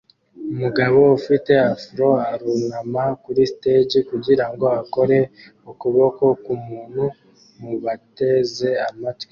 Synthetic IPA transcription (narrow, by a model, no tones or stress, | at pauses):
umuɡaβo̞ufite̞afɾo̞aɾunamakuɾisited͡ʒikuɟiɾaŋɡo̞ako̞ɾe̞ | ukuβo̞ko̞kumuːnhu | muβate̞ze̞amatwi